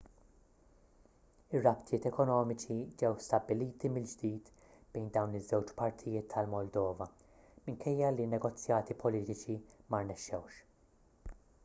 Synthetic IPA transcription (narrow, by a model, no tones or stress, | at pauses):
ɪrːɐpt̪ʰjɪːt̪ɛkɔnɔːmɪt͡ʃid͡ʒɛwst̪ɐbːɪliːt̪imɪld͡ʒd̪iːt̪ | b̥ɛjnd̪ɐwnɪzːɛwt͡ʃpɐɾt̪ʰɪjɪːt̪ʰːɐlmɔld̪ɔːvɐ | mɪŋkʰɛjːɐlinːɛɡɔt͡sːjɐːt̪ipʰɔliːt̪ɪt͡ʃimɐɾnɛʃːɛwʃ